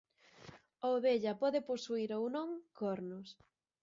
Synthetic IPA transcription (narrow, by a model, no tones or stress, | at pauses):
ooβeʎɐpɔðɪposuiɾownõŋkoɾnʊs